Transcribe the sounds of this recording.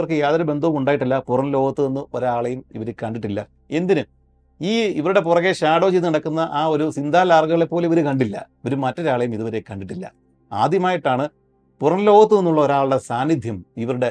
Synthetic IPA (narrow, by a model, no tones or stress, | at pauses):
ɐrkːɨjaːðɐɾɐbe̞nd̪ʱɐʋɐmuɳɖaːjiʈ̬ːilːɐpurɐnlo̞ːɣɐt̪ːɨnenːɨʔo̞ɾaːɭejumḭʋɐɾekɐɳɖiʈːilːɐ̰ | e̞nd̪inɨ | iːiʋɐɾuɽe̞purɐɣeɕaːɽo̞ːd͡ʑinːnɐɽɐkːunːɐʔaːo̞ɾusind̪ʱaːlaːrɡɐɣɐɭe̞pːo̞ːleiʋɐɾukɐɳɖilːɐ̰oɾumɐtːo̞ɾaːɭɐjumiðuʋɐɾekɐɳɖiʈːilːɐ̰ | a̰ːd̪ʱjɐmaːjiʈːaːɳɨ | purɐnlo̞ːɣɐt̪ːɨenːuɭːɐoɾaːɭuɽesaːnːid̪ʱjɐmiʋɐɾuɽe̞